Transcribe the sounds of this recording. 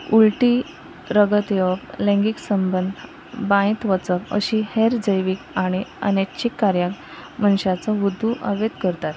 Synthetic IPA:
ulʈiː | ɾəɡət̪jəklɛ̃ŋɡiksəmbənd̪ | bãĩt̪ʋət͡səkə̰ɕiheɾd͡zəjʋikaɽ̃iə̰nekt͡ɕikːaɾjak | mənɕat͡səʋud̪ʱːuʔə̰ʋed̪kəɾt̪at̪

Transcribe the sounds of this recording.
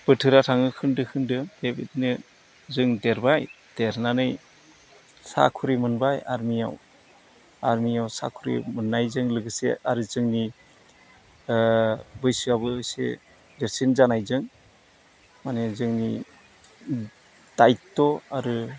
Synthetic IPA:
b̥ɯtʰɯɾatʰaŋɯkʰɯndɯkʰɯndɯbebit̚nɯ | zɯŋdeɾbaj | d̥eɾnanɯj | sa̰kʰuɾimɯnbaja̰ɾmija̰w | aɾmijawsa̰kʰuɾḭmɯnːajzɯŋlɯɡɯsḛaɾɯzɯŋni | bɯjsɯabɯːjsḛ | deɾsinzanajzɯŋ | manezɯŋni | d̥ajtːɔaɾɯ

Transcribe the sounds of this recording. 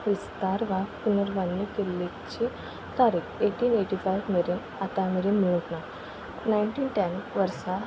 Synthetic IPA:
ʋist̪aɾʋakpunəɾʋanːikelːekt͡ɕe | t̪aɾikeʈiːneʈifajʋmeɾen | at̪ameɾenmiɭət̪na | nainʈiːnʈɛnʋəɾsa

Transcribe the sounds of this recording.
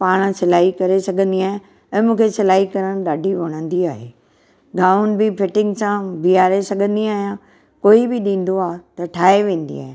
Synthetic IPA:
paːɽ̃sɪlaːikɐɾesɐɡʱə̃nd̪iaːɦɪ̃ | ɛ̃ːmũːkʰesɪlaːɦikɐɾəɽ̃ɗaːɖʱiʋɐɽ̃ə̃nd̪iaːɦeː | ɡaːʊn̆bɪfɪʈɪ̃ŋɡsãʋiaːɾesɐɡʱə̃nd̪iaːɦijã | koːibɪɗĩːn̆d̪oaːt̪ɐʈʰaːɦeʋẽːn̆d̪ḭa̰ːɦɪ̃

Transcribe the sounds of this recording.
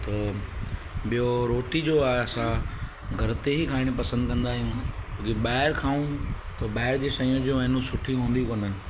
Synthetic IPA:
t̪ɐ | ɓijoɾoːʈid͡ʑoaːeɐsã | ɡʱɐɾt̪eɦikʰaːɪɽ̃pɐsə̃nd̪kɐ̃nd̪aːɦijũt͡ɕõːkiɓaːɦɪɾkʰaːũ | t̪ɐɓaːɪɾd͡ʑeːsɐ̃jõd͡ʑũɐɦɪnũsʊʈʰijũɦũːnd̪ikonə̆

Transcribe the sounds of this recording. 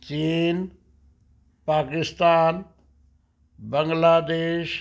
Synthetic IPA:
t͡ɕiːn | paːkɪst̪aːn | bə̃ŋɡlaːd̪eːʃ

